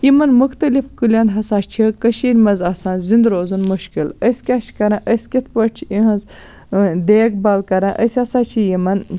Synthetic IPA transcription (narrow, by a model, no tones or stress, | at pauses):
jimɐnmuxt̪ɐlifkɨlʲɐnɦɐsaːt͡ʃʰikɐʃiːɾʲmɐzɐsaːnzind̪ɾoːzunmuʃkiləsʲkʲaːʃʰkɐɾãːʔəsʲkʲit̪ʰpɐʈt͡ʃʰiiɦɐnz | d̪eːɡ̚bɐlkɐɾãʔəsʲɐsaːt͡ʃʰijimɐn